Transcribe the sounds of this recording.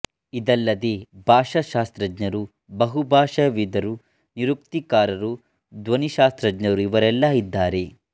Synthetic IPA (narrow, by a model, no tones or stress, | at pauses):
id̪ɐlːɐd̪ebʱaːʂɐʃaːst̪ɾɐd͡ʒɲɐɾu | bɐɦubʱaːʂɐʋid̪ɐɾu | niɾukt̪ikaːɾɐɾu | d̪ʋɐniʃaːst̪ɾɐd͡ʒɲɐɾuiʋɐɾɛlːɐid̪ːaːɾe̞